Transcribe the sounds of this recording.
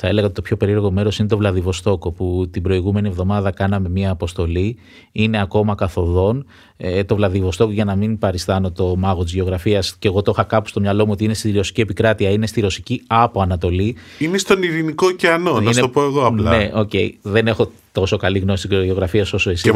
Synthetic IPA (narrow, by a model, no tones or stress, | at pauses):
θɐe̞leɣɐot̪t̪pço̞pe̞ɾiɐɾɣo̞me̞ɾo̞sinet̪o̞vlɐðivo̞st̪o̞ko̞put̪ibɾo̞iɣume̞nievðo̞mɐðɐkɐnɐme̞miɐːpo̞st̪o̞li | ine̞ɐko̞mɐkɐθo̞ðo̞n | et̪o̞vlɐðivo̞st̪o̞koʝɐnɐminpɐɾist̪ɐno̞t̪o̞mɐɣoizʝeo̞ɣɾɐfiɐsceɣo̞t̪o̞xɐkɐpu̥st̪o̞mɲɐlo̞muo̞t̪iine̞st̪iɾo̞si̥cie̞pikɾɐt̪iɐine̞st̪iɾo̞siciɐpo̞ɐnɐt̪o̞li | inest̪o̞niɾinikoceɐno̞nɐisnet̪opo̞eɣoɐplnɐeo̞ce̞̰ḭðe̞ne̞xo̞ | t̪o̞so̞kɐliɣno̞si̥st̪izoʝeo̞ɣɾɐfiɐso̞so̞es